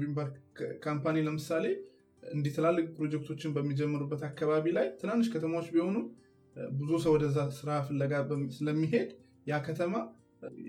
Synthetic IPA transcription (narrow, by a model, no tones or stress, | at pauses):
bimbəɾkʰampaniləmɨsale̞ | ɨnd̪it̪ʰəlalːɨɡpɾo̞d͡ʒɛk̚t̪ʰo̞t͡ʃːɪnbəmːid͡ʒɛmːəɾubːət̪akːaβaβilajt̪ʰɨnanːɨʃkʰət̪ʰəmawot͡ʃːbiho̞nu | bɨzusəwɔd̪əzːasɨɾafəlːəɡasɨləmːiɦe̞d̪ | jakʰət̪ʰəma